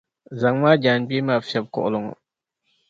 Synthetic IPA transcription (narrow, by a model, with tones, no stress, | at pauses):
za˨ŋmaː˦d͡ʒaː˨nɡ͡biː˦maː˨fi˦ɛ˨b̚kɔ̰˨ʔʊ˦lʊ˨ŋɔ̰˨